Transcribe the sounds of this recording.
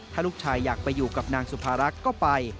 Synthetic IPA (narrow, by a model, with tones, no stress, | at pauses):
t̪ʰaː˥˩luː˥˩k̚t͡ɕʰaː˧jːaː˨˩k̚pa˧jːuː˨˩ka˨˩p̚naː˧ŋsu˨˩pʰaː˧ɾa˦˥kːɔː˥˩pa˧j